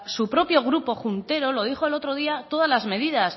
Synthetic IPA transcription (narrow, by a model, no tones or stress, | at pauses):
supɾo̞pjo̞ɣ̞ɾupo̞xunt̪e̞ɾo̞lo̞ð̞ixo̞e̞lo̞t̪ɾo̞ðiat̪o̞ð̞azlazme̞ð̞ið̞as